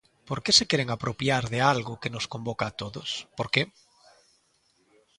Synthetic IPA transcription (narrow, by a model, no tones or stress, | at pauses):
poɾkesekeɾeŋapɾopjaɾðealɣʊkenoskombokaːt̪oðospoɾke